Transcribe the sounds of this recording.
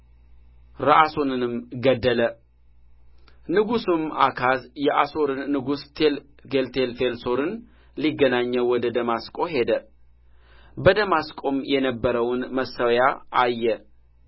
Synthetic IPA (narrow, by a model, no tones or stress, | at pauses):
ɾaʔasonɨnɨmɡəd̪ːələ | nɨɡusɨmakʰazjɛʔaso̞ɾɨnːɨɡust̪ʰel | ɡelt̪ʰelfelso̞ɾɨn | liɡːənaɲːəwɔd̪əd̪əmaskʼo̞ɦe̞d̪ə | bəd̪əmaskʼo̞mjɛnəbːəɾəwnməsəwjaajːɛ